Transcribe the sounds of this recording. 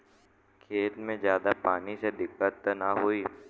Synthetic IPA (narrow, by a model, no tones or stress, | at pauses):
kʰeːlmẽzjaːd̪apaːnised̪ɪkːət̪ːnaɦʊiː